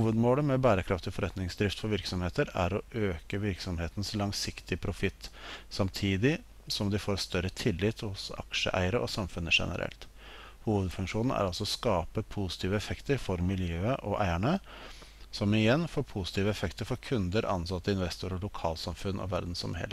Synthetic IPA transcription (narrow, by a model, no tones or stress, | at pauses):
huːʋəd̪moːləmɛbæːɾəkʰɾɑft̪ɪfɔɾɛt̪nɪŋsd̪ɾɪft̪fɔɾʋɪɾksɔmheːt̪əɾæ̰ɾɔʔøːkəʋɪɾksɔmheːt̪ən̩slɑŋsɪkt̪ɪəpʰɾʊfɪt̪ːsɑmt̪ʰiːd̪ɪ | sɔmd̪ɪfoːɾst̪œɾət̪ʰɪlːɪt̪hʊsɑ̰kʂə̰ʔæ̰ɪəɾəʔɔsɑmfʉnːəʂɛ̰nə̰ɾʔɛ̰lt̪ | huːʋəd̪fʉŋkʂuːnn̩æ̰ɾɑlsɔɔskɑːpəpʰusɪ̥t̪ʰiːʋəɛfɛkt̪əɾfɔɾmɪljøːəʔɔʔæɪæɳə | sɔmɪjɛnːfoːɾpʰʊsɪ̥t̪ʰiːʋəɛfɛkt̪əɾfɔɾkʰʉnd̪əɾʔɑnsɑt̪ːəɪnʋɛst̪uːɾɔlʊkʰɑːlsɑmfʉnːʔɔ̰ʋæ̰ɾd̪n̩sɔ̰mhɛ̰lːə